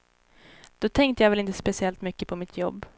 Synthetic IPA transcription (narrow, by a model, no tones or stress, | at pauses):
d̪̥ɔt̪ʰɛŋkt̪əjavɛlɪnt̪ə̥spɛsɪɛlt̪mʏkːəpʰɔmɪt̪ʰjɔbː